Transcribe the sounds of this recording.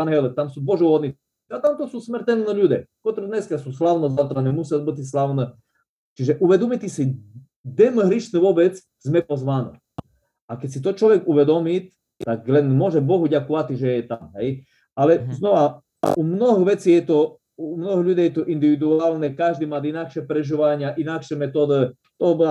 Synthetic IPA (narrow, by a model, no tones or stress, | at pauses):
anɦɛlɛt̪amsuːb̪bɔʒɛuɦɔd̪ni | at̪amt̪ɔsusmɛɾt̪ɛlnɛʎud̪ʲɛ̰kɔt̪ɾud̪ɲɛskasuslawnɔzat̪ɾanɛmusiabit̪is̬laʋnɛ | t͡ʃiʒɛʔuʋɛd̪ɔmit̪isi | d̪ɛmɦɾiʃnɛʋɔbɛt͡s | zmɛpɔzʋanɛ̰ | akɛcʲsit̪ɔt͡ʃlɔʋɛɡuʋɛd̪ɔmit̪ | t̪aklɛnmʊɔʒɛbɔɦuɟakɔʋat̪iʒɛjɛt̪amɦɛj | alɛznɔʋa̰ | ʔumnɔɦɔɣʋɛt͡siːjɛt̪ɔ | umnɔɦɔʎud̪ɛjɛt̪ɔʔind̪iʋid̪uaːlnɛkaʒd̪iːmad̪inakʃɛpɾɛʒiʋaɲɪaʔinakʃɛmɛt̪ɔd̪ə | t̪ɔɦɔbɔa